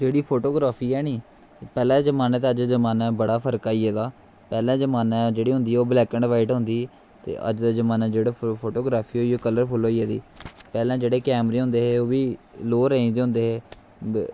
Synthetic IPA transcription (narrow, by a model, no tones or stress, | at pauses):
d͡ʒeːɽiːpʰoːʈoːɡɾaːpʰiːɛːniː | pɛːlãːd͡ʒəmaːnaːt̪ːəd͡ʒd̪aːzəmaːnaːbəɽaːpʰəɾkaːiːɛːd̪aː | pɛːlãːd͡ʒəmaːnaːd͡ʒeːɽiːɦʊ̃nd̪iːɛːoːblɛːkəɳɖʋaːɪʈɦʊnd̪iː | t̪ḛːʔə̰d͡ʒd̪aːd͡ʒəmaːnaːd͡ʒeːɽaːpʰoːʈoːɡɾaːpʰiːɦoːioːkələɾpʰʊloːiːɛːd̪ḭːpɛːlãːd͡ʒeːɽeːkɛːmɾẽːɦʊ̃nd̪eːɦeːoːʋiːloːɾeĩːd̪eːɦʊ̃nd̪eːɦeː